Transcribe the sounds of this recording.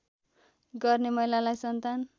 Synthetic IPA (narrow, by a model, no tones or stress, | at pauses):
ɡʌrnemʌɦilalajsʌnt̪an